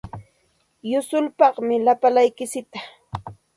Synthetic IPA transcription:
jʊsʊlpɑχmɪlapalajkɪsɪt̪a

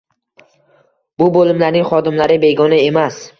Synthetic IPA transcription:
b̥ʊbolɪmlaɾnɪŋχɒd̪ɪmlaɾɪbe̞ɡɒnae̞mas

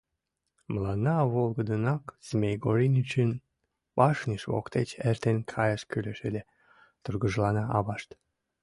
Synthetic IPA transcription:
məlɑnːɑβolˠɣəd̪ənɑkz̥mʲejɡoɾinʲit͡ɕən | pɑʃnʲiʃβo̰kt̪et͡ɕert̪enkʰɑjəʃkyleʃelʲe | t̪urɣəʒlɑnɑʔɑβɑʃt̪

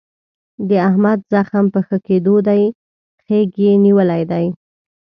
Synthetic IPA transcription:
d̪əahmad̪zaxampəxəked̪od̪aj | xeɡjeniwəlajd̪aj

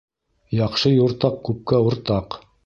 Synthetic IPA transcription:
jɑqʃɤjoɾt̪ɑq̚kʉp̚kæŏɾt̪ɑq

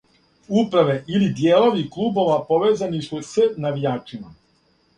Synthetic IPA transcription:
upɾaʋe̞ʔilid̪jeːlo̞ʋiklˠubo̞ʋapo̞ʋeːzanisusənaʋijaːt͡ʂima

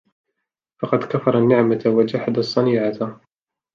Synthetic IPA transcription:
fɑqɑd̪kafɑɾˤɑnːɪʕmat̪wad͡ʒaħad̪asˤːɑniːʕat̪

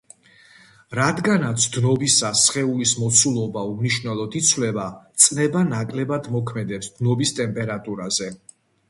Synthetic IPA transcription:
ɾad̪ɡanat̪sʰd̪nɔbisasχɛulismɔt̪sʰulˠɔbaumniʃnɛlˠɔd̪it̪sʰvwlɛbat̪sʼnɛbanakʼlɛbad̪mɔkʰmɛd̪ɛpsd̪̥nɔbist̪ʼɛmpʼɛɾat̪ʼuɾazɛ

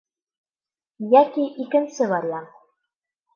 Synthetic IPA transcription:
jækiʔikɘ̆nsɘβɑɾjɑ

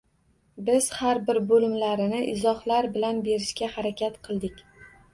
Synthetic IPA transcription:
bɪz̥haɾbɪɾbolɪmlaɾɪnɪʔɪzɒhlaɾbɪlanbe̞ɾɪʃkʲahaɾakʲʰat̪qʰɨlˠd̪ɪkʲ

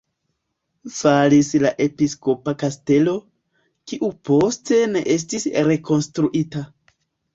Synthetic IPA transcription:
faɾislaʔe̞pisko̞pakaste̞lo̞ | kiʔupo̞ste̞ne̞ʔe̞s̬tisɾe̞ko̞nstɾuʔita

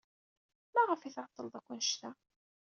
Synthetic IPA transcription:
mæʁəfiθʕət̪ˤːəlðˤækʷːʊnʃt̪æ

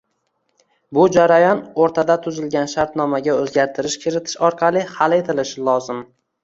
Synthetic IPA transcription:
bʊd͡ʒaɾajɒnoɾt̪ʰad̪at̪ʰʊzɪlɡʲanʃaɾt̪nɒmaɡʲaɵzɡʲaɾt̪ʰɪɾɪʃkʲʰɪɾɪt̪ʰɪ̥ʃɒɾqʰɑlˠɪhale̞t̪ʰɪlɪʃɪlˠɒzɪm

